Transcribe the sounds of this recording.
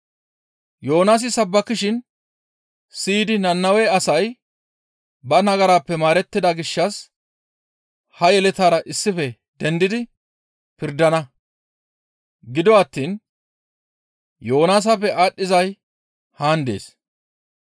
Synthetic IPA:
jo̞ːnaːs̬ɪsɐbːɐkːɪʃɪn | siːd̪ɪnɐnːɐwɛɐsɐj | bɐnɐɡɐɾaːpːɛmaːɾɛt̪ːɪd̪ɐɡɪʃːɐs | hɐjɛlɛt̪aːɾɐʔɪsːɪfɛ | d̪ɛnd̪ɪd̪ɪ | pɪɾd̪ɐnɐ | ɡɪd̪ɔɐt̪ːiːn | jo̞ːnaːs̬apːɛʔaːɗːɪzɐj | haːnd̪ḛːs

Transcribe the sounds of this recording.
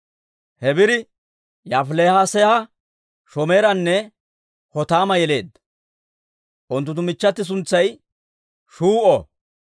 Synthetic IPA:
hɛbɪɾɪ | jafleːhaseːhɐ | ʃɔme̞ːɾɐnːɛ | hɔt̪aːmɐjɛle̞ːd̪ːɐ̥ | ʔʊnt̪ːʊt̪̬ːʊmɪt͡ʃːɐt̪ːɪs̬ʊnt͡sːɐj | ʃuːʔɔ

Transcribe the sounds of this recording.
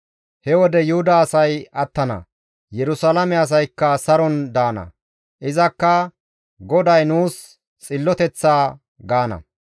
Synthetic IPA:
hɛwɔd̪ɛjʊhʊd̪ɐːsɐjɐt̪ːɐnɐ̰ | jɛɾʊsalɐmɛɐs̬ɐjkːɐsɐɾɔnd̪aːnɐ̰ | ʔɪzɐkːɐ | ɡɔd̪ɐjnuːs | t͡sʼɪlːɔt̪ɛt͡sːaː | ɡaːnɐ̰

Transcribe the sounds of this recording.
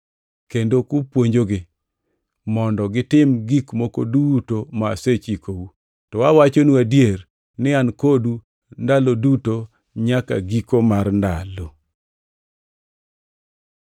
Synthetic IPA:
kendokʊpwoɲd͡ʒoɡɪ | mɔndɔɡɪtɪmɡikmoko̰dutoma̰ːset͡ʃikowu | tɔwawat͡ʃonuadjer | nɪankodu | ndaloduto | ɲaka̰ɡikomarnda̰lo

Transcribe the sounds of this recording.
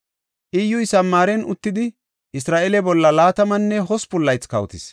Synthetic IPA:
ʔɪjʊjsɐmːaːɾɛnʔʊ̰t̪ːɪd̪ɪ | ʔɪsɾaːʔɛlɛbɔlːɐlaːt̪ɐmɐnːɛɦɔspʊlːɐjt͡skɐwt̪ɪ̰s

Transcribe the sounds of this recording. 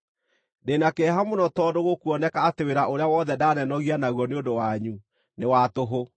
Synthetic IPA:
denakɛɦamonɔtɔdoɣokuɔnɛkaːteweɾaʔoɾeawɔðɛdaːnɛnɔɣianaɣwɔneondowaɲu | newatoɦo

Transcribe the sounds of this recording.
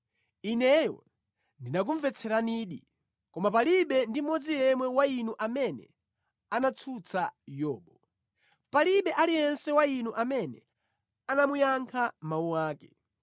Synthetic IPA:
inɛjɔ̰ | ndinak̬uɱvɛt͡sʰɛɾaniːɗi | kɔmapaliɓɛndimɔd͡zijɛmwɛwainuʔamɛnɛ̰ | anat͡sʰut͡sʰajɔːɓɔ | paliɓɛʔalijɛnsɛwainuʔamɛnɛ̰ | anamujaŋkʰamauwaːkɛ

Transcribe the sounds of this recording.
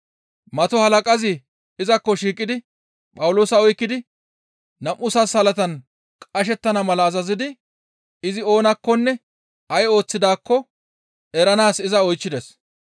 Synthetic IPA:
mɐt̪ɔhɐlɐkʼɐzɪ | ɪzɐkːɔʃiːkʼːɪd̪ɪ | pʼɐwʊloːsɐɔjkːɪd̪ɪ | nɐmʔʊsɐshɐlɐt̪ɐn | kʼɐʃ̬ɛt̪ːɐnɐmɐlɐːzɐzɪd̪ɪ | ɪzɪo̞ːnɐkːɔnːɛ | ɐjo̞ːt͡sːɪd̪aːkːɔ | ɛɾɐnaːsɪzɐɔjt͡ʃːɪd̪ɛs

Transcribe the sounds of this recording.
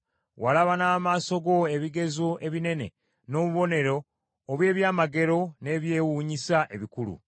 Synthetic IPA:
walaβanaːmaːso̞ɡo̞e̞βiɡe̞zoʔe̞βine̞ne̞̰ | no̞ːβuβo̞ne̞ɾo̞ː | βwe̞ːβjaːmaɡe̞ɾo̞ne̞βje̞ːwuːɲisaʔe̞βikulṵ

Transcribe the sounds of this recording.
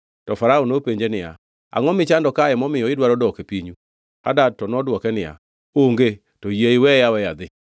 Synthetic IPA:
tɔfaɾaonopeɲd͡ʒenɪa̰ | a̰ŋɔmɪt͡ʃandɔkaɛmɔmɪjɔɪdwaɾɔdɔkepiɲu | a̰dad̚tɔnɔdwɔkɛnɪja̰ | oŋɡe | tojeiwɛjawɛjad̪ɪ

